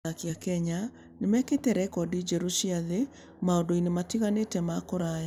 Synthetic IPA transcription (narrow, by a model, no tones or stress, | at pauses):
akjakɛɲa | nemɛketɛɾɛkɔdid͡ʒɛɾuʃiaðe | maodoinematiɣanetɛmakoɾaja